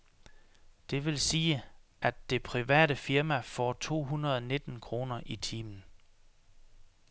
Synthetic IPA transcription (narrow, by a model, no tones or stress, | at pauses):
d̥e̝ʋe̝lsiːəʔæd̥e̝pʰʁiʋɛ̰ːɾəfiɐmæfɒ̰ːt͡sʰo̝̰ːɦunɐðˠne̝d̥n̩kʰʁo̝ːnɐʔit͡sʰiːmn̩